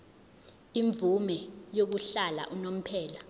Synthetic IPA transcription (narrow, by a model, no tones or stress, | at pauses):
iɱb̪vumɛjok̬uɬala̰ʔunom̩pʰɛːla